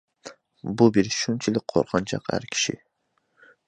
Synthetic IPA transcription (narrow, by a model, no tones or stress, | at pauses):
bubeɾʃunt͡ʃʰɪlɪk̚ʲqʰo̰ɾqʰɑnt͡ʃʰɑ̰qhæ̰ɾkʲʰi̥ʃɪ̰